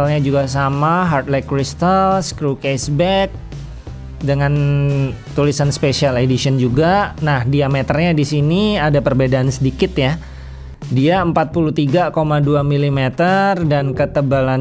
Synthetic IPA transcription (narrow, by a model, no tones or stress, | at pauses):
alɲad͡ʒuɡasamaɦart̪̚lɛkːɾist̪alskɾukesbɛk̚ | dəŋan | t̪ulisanspesialedisiənd͡ʒuɡanahdiamet̪ərɲadisiniadapərbedaʔːnsədikɪt̪ja | diaəmpat̪̚pulut̪iɡakomaduamilimet̪ərdankət̪əbalan